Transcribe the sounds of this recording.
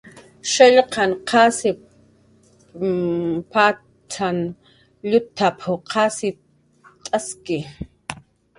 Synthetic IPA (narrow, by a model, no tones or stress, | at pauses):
ʃeʎqʰɑnqʰɑːsɪ | paː | t͡ʃʰan | ʎʊt̪ʰːapʰʊqʰɑːsɪ | t̪ʼaskɪ